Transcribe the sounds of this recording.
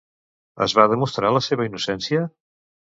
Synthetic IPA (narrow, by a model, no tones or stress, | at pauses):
ə̰zβaðəmust̪ɾaləseβ̞əinusɛnsiə